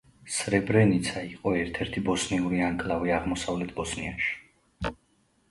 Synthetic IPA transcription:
sɾɛbɾɛnit̪sʰaiqʼɔɛɾt̪ʰɛɾt̪ʰibɔsniuɾiaŋkʼlˠaviaʁmɔsavlɛt̪ʰbɔsnia̰nʃi̥

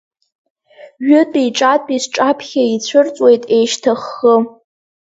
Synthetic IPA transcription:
ɥʊtʼiʈ͡ʂʼatʼisʈ͡ʂʼapʰχʲait͡ɕʷʰɨrt͡sʷʼwe̞jtʼejʃtʰaχːə

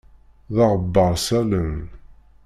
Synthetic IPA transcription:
ðɑʁəbːəɾˤsælən

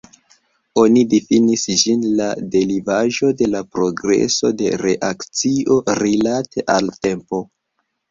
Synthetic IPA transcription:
o̞nidifinisd͡ʒinlade̞ɾivaʒo̞de̞lapɾo̞ɡɾe̞̰so̞de̞ɾe̞ʔakt͡sio̞ɾilatʰe̞ʔalte̞mpo̞

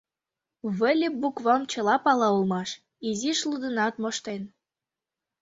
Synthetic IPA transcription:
βəlʲebukβɑmt͡ɕə̆lɑpɑlɑulmɑʃ | iziʃlud̪ənɑt̪̚moʃt̪en

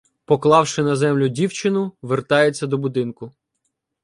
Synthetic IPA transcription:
pɔklˠɑwʃɪnɐzɛmlʲʊdʲiwt͡ʃɪnʊʋert̪ɑjet͡sʲːɐd̪ɔbʊd̪ɪnkʊ

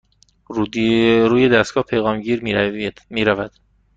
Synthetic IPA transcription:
ɾuːjed̪æst̪ɡ̥ɒːhpʰejɣɒːmɟiːɾmiːɾævæd̪̥

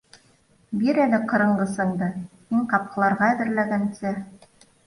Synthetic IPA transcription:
biɾælɘqɤ̆ɾɤ̆ɴɢɤ̆sɤ̆ɴd̪ɤhiɴqɑp̚qɤ̆lˠɑɾʁɑæðɘ̆ɾlæɡænsɘ

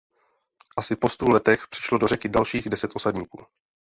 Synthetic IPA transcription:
ʔasɪpo̞st̪ulɛt̪ɛxpr̥ɪ̥ʃlo̞dorɛkɪdalʃiːɣdɛsɛt̪ʔo̞sadɲiːkuː

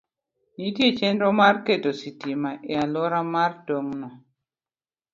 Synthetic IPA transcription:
nitjet͡ʃɛnɾɔmarketositimaʔialɔɾamardoŋnɔ

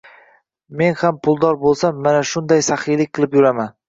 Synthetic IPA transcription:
me̞nhampʰʊlˠd̪ɒɾbolˠsamːanaʃʊnd̪ajsaχɪjlɪkʲqʰɨlˠɪpjʊɾaman

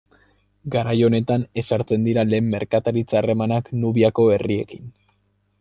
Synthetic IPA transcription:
ɡaɾajo̞ne̞t̪ane̞saɾt͡se̞nd̪iɾale̞ːmːe̞ɾkat̪aɾit͡saːre̞manaknuβiako̞e̞rie̞̰kin

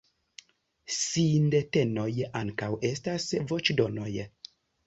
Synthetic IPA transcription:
sindetenojeʔaŋkawestasvot͡ʃdonoje

